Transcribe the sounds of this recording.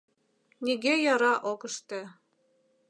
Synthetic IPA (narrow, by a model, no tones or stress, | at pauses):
niɣejɑɾɑʔokə̆ʃt̪ĕ